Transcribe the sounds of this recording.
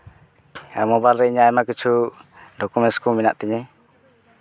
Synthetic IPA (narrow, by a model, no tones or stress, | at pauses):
amɔbalːɛɲaɛmakit͡ʃu | dɔkumɛskuminaʔt̪iɲe